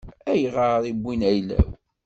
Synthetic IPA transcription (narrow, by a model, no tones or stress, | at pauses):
æjʁəɾibːinæjlæ̰w